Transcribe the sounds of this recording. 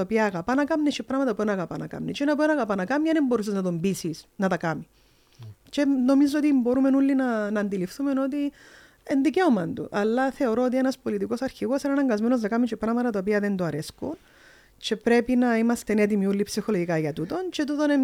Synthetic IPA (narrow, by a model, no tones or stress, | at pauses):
t̪opiɐɣapanɐkɐmnet͡ʃipɾɐmɐt̪ɐpoɾnaɣapa̰nɐka̰mnet͡ʃenɐp̬ɾnɐɣapanɐkamɐnemboɾus̬iznɐt̪ombisisnɐt̪ɐkami | t͡ʃenomizot̪̬imboɾumenulːinɐnɐnd̪ilifθumenot̪i | end̪ikeomɐnd̪ṵʔɐlːɐθeoɾoːt̪ienɐspolit̪̬ikosɐɾçiɣosenɐnɐŋɡɐzmenoznɐkamit͡ʃepɾamɐt̪ɐt̪op̬iɐðent̪oɐɾeskun | t͡ʃepɾepinɐimɐst̪enet̪̬imiulːipsixoloʝikaʝɐt̪ut̪ont͡ʃet̪ut̪one